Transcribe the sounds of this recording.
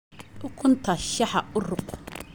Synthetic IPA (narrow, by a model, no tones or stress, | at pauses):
ʊkʰʊnt̪ʰɐʃɐħaʊrʊq